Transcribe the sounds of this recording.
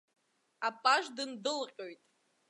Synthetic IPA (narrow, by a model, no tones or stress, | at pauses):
apʼaʒdɨndɨlqʲʼo̞jtʼ